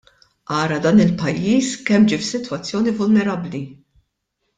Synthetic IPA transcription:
ʔɐːɾɐd̪ɐːnɪlpɐjːiːskɛmːd͡ʒiːfsɪt̪wɐt͡sːjɔːnivʊlnɛɾɐbːli

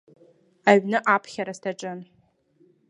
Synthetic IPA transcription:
aɥnɨʔapʰχʲaɾastʰaʈ͡ʂʼɨn

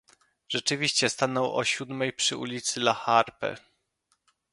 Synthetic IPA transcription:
ʐ̥ɛt͡ʂɘvʲiɕt͡ɕɛst̪anɔwʔɔ̰ɕud̪mɛjpʂɘṵlʲit̪sɘlaxaɾpɛ̰

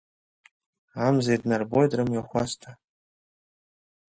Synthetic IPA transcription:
amzajdnarbojdrɨmjaχʷastʰa

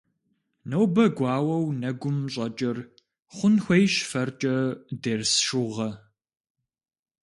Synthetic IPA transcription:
nɐwbɐɡʷɑːwɐwnɐɡʷʊmɕʼɐt͡ʃʼɐr | χʷʊnxʷɐjʃfɐrt͡ʃʼɐdersʃʊʁɐ

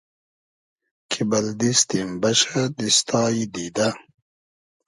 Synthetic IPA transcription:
kʰibɐld̪ist̪imbɐɕad̪ist̪ʰɑːid̪id̪a

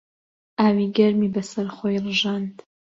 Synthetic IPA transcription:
ʔaːwiːɡɐɾmiːbɐsɐɾχojrɨʒɑːnt̪

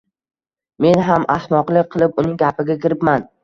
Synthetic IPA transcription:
me̞nɦamasmɒqlˠɪk̚ʲqʰɨlˠɪp̚ʊnɪŋɡʲapɪɡʲakʲɪɾɪpman

